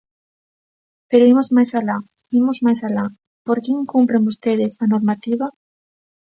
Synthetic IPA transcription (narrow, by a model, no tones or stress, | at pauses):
peɾoimozmajsala | imozmajsala | poɾkjeŋkumpɾeŋust̪eð̞esanoɾmat̪iβa